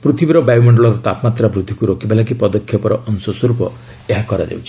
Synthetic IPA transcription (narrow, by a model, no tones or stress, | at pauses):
pɾut̪ʰibiɾɔbajwmɔɳɖɔɭɔɾɔt̪apmat̪ɾabɾud̪ʱːikuɾokibelak̬ipɔd̪ɔkʰːjɔpɔɾɔʔɔnsɔsɔɾupɔ | eɦakɔɾa̰d͡ʒa̰wt͡ʃʰi̥